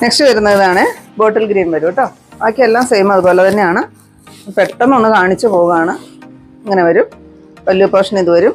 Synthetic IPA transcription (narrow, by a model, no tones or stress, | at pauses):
neksʈɨʋɐɾunːɐðiðaːɳɨbo̞ːʈːɐlɡɾiːnʋɐɾuʋɨʈːoː | kʲːeelːaːmsejmɐðubo̞ːlet̪ɐnːejaːɳɨ | pe̞ʈːɐnːoɳːɨkaːɳit͡ɕːɨpo̞ːuɣɐaːɳɨ | ɐŋːɐne̞ʋɐɾum | ʋɐlːijupːɐʂɐniðuʋɐɾum